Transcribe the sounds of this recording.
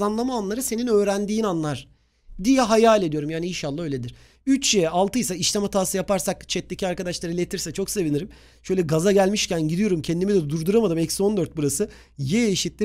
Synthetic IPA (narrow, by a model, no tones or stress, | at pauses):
anlˠamaːnlˠaɾɯse̞ninø̞ːɾænd̪iːnanlˠaɾ̥ | d̪ijɛɦajaːlʲed̪ijo̞ɾumjaːniinʃalˠːaɦø̞jlʲe̞d̪iɾ̥ | yt͡ʃjejɛalˠt̪ʰɯjsaiʃt̪amat̪ʰaːsɯjapaɾsakt͡ʃʰɛt̪ːe̞cʰiaɾkad̪aʃlˠaɾɯlʲet̪ʰiɾsɛt͡ʃʰo̞kse̞viniɾim | ʃøjlʲɛɡazaɟælʲmiʃcænɟid̪ijo̞ɾumcʰɛnd̪imid̪ɛd̪uɾd̪uɾamad̪ɯmɛcso̞nd̪øɾt̪̚buɾasɯ | jeiʃit̪lʲi